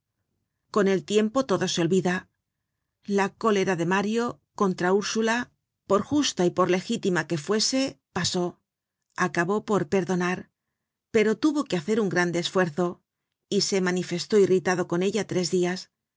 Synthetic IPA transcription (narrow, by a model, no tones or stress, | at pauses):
ko̞ne̞lt̪je̞mpo̞t̪o̞ðo̞seo̞lβiða | lako̞le̞ɾaðe̞maɾjo̞ | ko̞nt̪ɾauɾsula | po̞ɾxust̪aipo̞ɾle̞xit̪imake̞fwe̞se̞paso̞ | akaβo̞po̞ɾpe̞ɾðo̞naɾ | pe̞ɾo̞t̪uβo̞keaθe̞ɾuŋɡɾand̪e̞ːsfwe̞ɾθo̞ | ise̞manife̞st̪o̞irit̪aðo̞ko̞ne̞ʎat̪ɾe̞zðias